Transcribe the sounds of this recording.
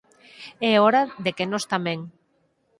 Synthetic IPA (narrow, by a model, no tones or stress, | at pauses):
ɛɔɾaðekenost̪amɛ̃ŋ